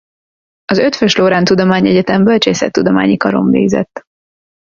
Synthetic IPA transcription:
ɒzø̞t̪føʃloːɾaːnt̪ud̪omaːɲɛɟɛt̪ɛmbølt͡ʃeːsɛ̰t̪ːud̪oma̰ːɲikɒɾo̞̰mvḛːɡzɛ̰t̪ː

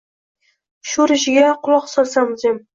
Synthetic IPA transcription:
ʃʊɾɪʃɪɡʲaqʰʊlˠɒqsɒɾsamzem

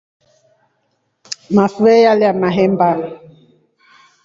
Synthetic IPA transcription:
mafɛjaliamaɦɛmbal

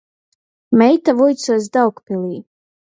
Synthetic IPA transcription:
mɛjt̪avujt̪suːsd̪awkpilˠiː

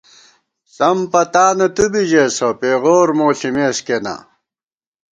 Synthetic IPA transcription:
sɐmpɐt̪aːnɐt̪ubiʑeːsopeːɣoːɾmoːɬimeːskena̰

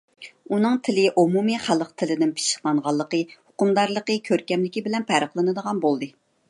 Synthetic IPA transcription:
unɨŋt̪ʰɪlɪʔomumɨχælˠəqt̪ʰɪlɪd̪ɪnpʰi̥ʃɪ̥χlˠɑɴʁɑlˠːəqəhʊqʊmd̪ɑɾlˠəqəkʲʰøɾkʲɛmlɪkʲibɪlɛnpʰæɾəχlˠɨnɨd̪əʁɑnbolˠd̪ɨ

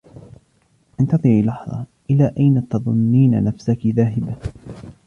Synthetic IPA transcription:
ʔɪnt̪ɑðˤɨʕiːlɑħðˤɑ̰ʔɪlaːʔajnat̪ɑðˤʊnːiːna̰nafsakɪðaːɦɪba

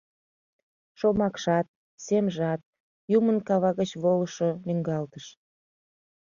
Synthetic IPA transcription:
ʃomɑkʃɑt̪̚ | semʒɑt̪̚ | jumənkɑβɑɣət͡ɕβoləʃonyŋɡɑlt̪əʃ

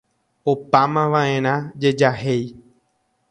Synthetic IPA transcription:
opamãʋãʔẽ̞ɾ̃ãd͡ʒe̞d͡ʒaɦe̞j

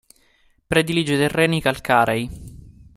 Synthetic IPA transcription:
pɾed̪ilid͡ʒet̪erːɛːnikalkaːɾej

